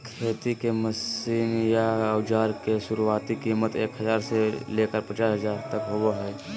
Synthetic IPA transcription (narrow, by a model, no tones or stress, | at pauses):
kʰeːt̪ikeməsiːnjaəwd͡ʒaːɾkesuɾuaːt̪ikimət̪ḛkɦəd͡ʒaːɾselekəɾpət͡ʃaːsɦəd͡ʒaːɾt̪əkɦoboɦɛ